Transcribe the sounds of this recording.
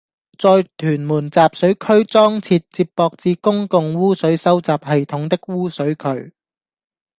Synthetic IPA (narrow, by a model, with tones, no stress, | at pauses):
t͡sɔː˧jt̪ʰyː˨˩nmuː˨˩nt͡saː˨p̚sɵ˨˥ɥkʰɵ˥ɥt͡sɔː˥ŋt͡sʰiː˧t̚t͡siː˧ppːɔː˧k̚t͡siː˧kʊ˥ŋkʊ˨ŋwuː˥sɵ˨˥ɥsɐ˥wt͡saː˨p̚hɐ˨jt̪ʰʊ˨˥ŋt̪ɪ˥k̚wuː˥sɵ˨˥ɥkʰɵ˨˥ɥ